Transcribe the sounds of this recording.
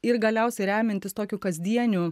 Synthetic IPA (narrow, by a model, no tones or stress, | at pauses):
ɪɾɡɐlʲɛʊsʲɛɪɾʲæːmʲɪnʲt̪ʲɪst̪oːkʲuːkɐzʲd̪ʲiɛnʲu